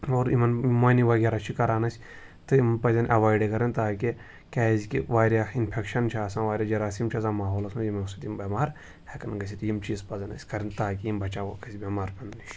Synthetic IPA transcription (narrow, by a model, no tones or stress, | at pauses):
oːɾimɐnmɐniʋɐɡʲaːɾat͡ʃʰikɐɾaːnɐsʲ | t̪ɨimpɐzʲɐnʔɐʋaːjɖekɐɾɐnt̪aːki | kʲaːzʲkiʋaːɾjainpʰekʃɐnt͡ʃʰaːsãːʋaːɾʲaːd͡ʒɐɾaːsiːmt͡ʃʰɐzãːmaːɦoːlɐsmujimeusɐt̪imbɐmaːɾ | hekɐnɡɐsʲit̪jimt͡ʃiːzpɐzɐnɐ̰sʲkɐɾint̪aːkiimbɐt͡ʃakɐsʲbʲɐmaːɾpʲɐnd̪niʃ